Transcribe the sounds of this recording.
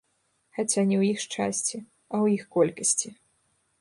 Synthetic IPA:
xat͡sʲanʲɛwjixʂt͡ʂasʲt͡sʲi | ɐwjixkɔlʲkɐsʲt͡sʲi

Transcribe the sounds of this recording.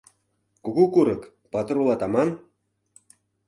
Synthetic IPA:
kuɣukuɾɤk | pɑt̪ɤ̆ɾulˠɑt̪ɑmɑn

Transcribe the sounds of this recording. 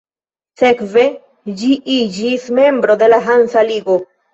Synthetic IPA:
se̞kve̞ | d͡ʒiʔid͡ʒisme̞mbɾo̞de̞laɦansaliɡo̞

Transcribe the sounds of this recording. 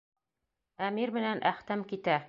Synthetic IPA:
æmiɾmɘ̆nænʔæχt̪æmkit̪æ

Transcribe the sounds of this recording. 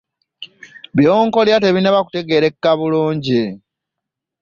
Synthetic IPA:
βjoːŋko̞ljate̞βinaβaku̥te̞ɡe̞ɾe̞kːaβuluːɲɟi

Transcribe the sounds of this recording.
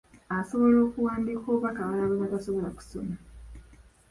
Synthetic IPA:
aso̞βo̞lo̞ːkuwaːmbikoːβakaβalaβeβataso̞βo̞laku̥so̰ma

